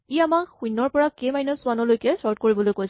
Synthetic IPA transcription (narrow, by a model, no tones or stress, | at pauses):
iamakxunːɔɹpɔɹakemajnɔsʊanɔlojkɛsɔɹt̚koɹibɔlojkojs